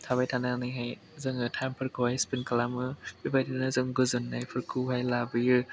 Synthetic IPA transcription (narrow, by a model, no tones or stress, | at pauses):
tʰabajtʰananɯɦaj | zɯŋɯtʰajmpʰɯɾkʰɯhajspinkʰalamɯbibajtʰinɯzɯŋɡɯzɯnːajpʰɯɾkʰɯɦajlabɯjɯ